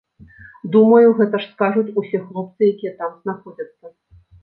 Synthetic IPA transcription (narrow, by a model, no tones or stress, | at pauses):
d̪umɐjuɣɛt̪ɐʂskaʐut͡sʲusʲɛxlˠɔp̚t̪sɨjakʲijɛt̪amzn̪axɔd͡zʲɐt̪sːɐ